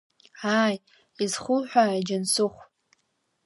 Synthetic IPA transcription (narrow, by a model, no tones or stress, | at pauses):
aj | izχʷʊlħʷᶣaid͡ʒansʊχʷʼ